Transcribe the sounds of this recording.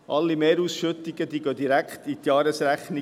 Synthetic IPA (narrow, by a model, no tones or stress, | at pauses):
ʔɑlːimeːɾuːsʃɵt̪iɡəd̥̪iːɡød̪iɾækχtit̪jɑːɾəsɾæχni